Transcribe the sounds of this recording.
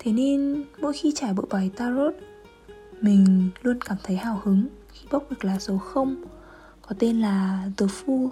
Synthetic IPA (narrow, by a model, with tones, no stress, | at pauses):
t̪ʰe˨˦ne˧nmo̰˧˥˨jxi˧t͡ɕaː˧˩jɓə̰˧˨jɓa˨˩jt̪aː˧ɾo˦˥t̚ | mï˨˩ŋ̟lu˧ənkaː˧˩mt̪ʰə˨˦jhaː˧˩whɨ˨˦ŋ | xi˧ɓa˦˥k͡p̚ɗɨ˨˩ək̚laː˨˩so˨˦xə˧wŋ͡m | kɔ˨˦t̪e˧nlaː˨˩zə˨˦fu˧